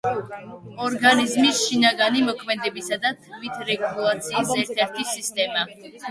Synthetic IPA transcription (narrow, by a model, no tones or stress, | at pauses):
ɔɾɡanizmisʃinaɡanimɔkʰmɛd̪ɛbisad̪at̪ʰmit̪ʰɾɛɡulˠat̪sʰiːsɛɾt̪ʰɛɾt̪ʰisist̪ʼɛma